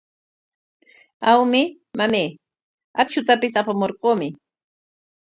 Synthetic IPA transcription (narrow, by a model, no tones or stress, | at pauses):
awmɪ | mameː | at͡ʃʊt̪apɪsapamoɾqoːmɪ